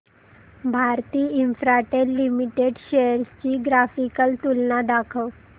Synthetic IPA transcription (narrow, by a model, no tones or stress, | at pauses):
bʱaɾt̪iːinfɾaʈelːimiʈeɖɕejəɾst͡ɕiːɡɾafikəlt̪ulnad̪akʰəw